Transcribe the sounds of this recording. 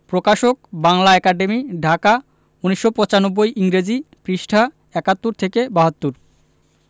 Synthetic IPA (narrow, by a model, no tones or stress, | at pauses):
pɾokaʃokbaŋlaɛkaɖemiɖʱaka | uniʃːopɔt͡ɕanobːojʔiŋɾed͡ʑipɾiʃʈʰa | ɛkat̪ːuɾt̪ʰekebaɦat̪ːuɾ